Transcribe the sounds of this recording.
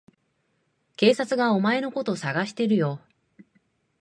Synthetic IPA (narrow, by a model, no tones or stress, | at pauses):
ke̞ːsat͡sɨɡao̞mae̞no̞ko̞t̪o̞saɡaɕi̥t̪e̞ɾɯ̟jo̞ː